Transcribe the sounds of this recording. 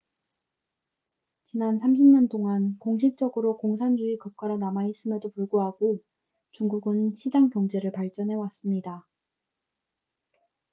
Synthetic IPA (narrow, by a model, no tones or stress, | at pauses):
t͡ɕinansʰamɕʰimɲantʰoŋankoŋɕ̬ʰik̚t͡ɕ͈ʌɡɯɾokoŋs̬ʰand͡ʑuikʌp̚k͈aɾanamais͈ɯmjʌdopuɭɡoɦaɡo | t͡ɕuŋɡuɡɯnɕʰid͡ʑaŋpjʌŋd͡ʑe̞ɾɯɭpaɭt͡ɕ͈ʌnɦe̞was͈ɯmɲida